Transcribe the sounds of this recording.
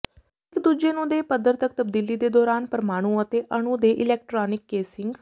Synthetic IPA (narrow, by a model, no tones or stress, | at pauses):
ɪkd̪uːd͡ʒeːnũːd̪eːpəd̪əɾt̪ək̚t̪əb̚d̪iːliːd̪eːd̪ɔːɾaːnpəɾmaːɽ̃ũːət̪eːʔəɳ̃ũːd̪eːʔɪlɛːk̚ʈɾaːnɪkːeːsɪŋɡ